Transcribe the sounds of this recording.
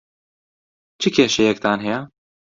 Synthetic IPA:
t͡ʃʰɨkʲʰeːʃɛjɛk̚t̪aːnɦɛjɛ

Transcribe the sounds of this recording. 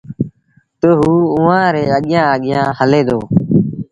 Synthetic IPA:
t̪oːɦuːʊʋãːɾeːəɠɪjãːəɠɪjãːhəleːd̪oː

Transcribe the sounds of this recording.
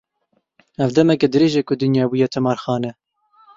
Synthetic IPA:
ɛvd̪ɛmɛkɛd̪ɨɾeːʒɛkʊd̪ɨnjɑːbujɛt̪ʰɨmɑːɾxɑːnɛ

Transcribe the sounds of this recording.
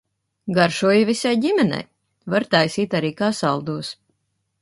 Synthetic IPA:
ɡaɾʃuɔjivisajɟimʲɛnɛ̰j | vaɾt̪ajsiːt̪aɾiːkaːsalˠd̪uːs

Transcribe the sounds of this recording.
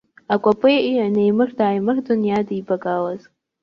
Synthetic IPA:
akʷʼapʼɨjʔianejmɨrdaːjmɨrdunjadibakʼalaz̥

